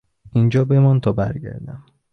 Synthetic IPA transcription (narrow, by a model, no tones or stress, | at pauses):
ind͡ʒɒːbe̞mɒnt̪ʰɒːbæɾɟæ̰ɾd̪æm